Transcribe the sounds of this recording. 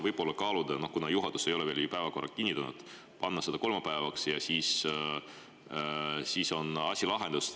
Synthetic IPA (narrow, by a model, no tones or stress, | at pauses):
vɤjb̥po̞lːɑkɑːlud̪̥ɑno̞hkunɑjuɦɑd̪̥use̞jo̞lɛve̞ːljupæevɑko̞rːɑkinʲːit̪unṵd̪̥ | pɑnːɑse̞d̪̥ɑko̞lmɑpæevɑksjɑsiːs | siːso̞nɑsʲilɑɦe̞nd̪us